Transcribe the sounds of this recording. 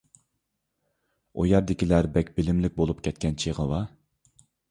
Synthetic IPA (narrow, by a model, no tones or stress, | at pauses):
ojɑɾd̪ɪkʲilæɾbɛkʲbɪlɪmlɪk̚ʲbolˠupkʲʰɛt̪̚kʲɛnt͡ʃʰiʁəwɑ